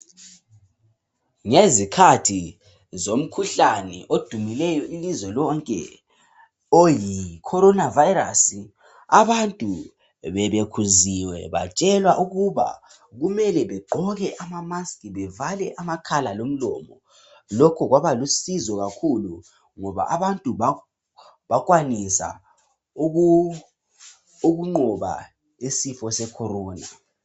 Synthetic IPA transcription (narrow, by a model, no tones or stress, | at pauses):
ŋezikʰatʰi | zom̩kʰuɬanɛ̰ʔod̥ʱumilɛjɔʔilizwɛlɔŋkʼɛ̰ | ojikʰɔɾɔnavaiɾasi | aβantʼu | βɛβekʰuziwɛ̰βa̰t͡ʃʼɛlwaʔuɣuβa̰ | ɣumɛlɛβɛǃʱɔɣɛʔamamaskʰʼiβɛvalɛʔamakʰalalom̩lɔ̰mɔ | lɔkʰɔɣwaβalusizɔɣakʰulu | ŋɔβa̰ʔaβantʼuβa | βaɣʼwanisa̰ | uɣuŋ͡ǃɔβa̰ | isifɔsɛkʰɔɾɔːna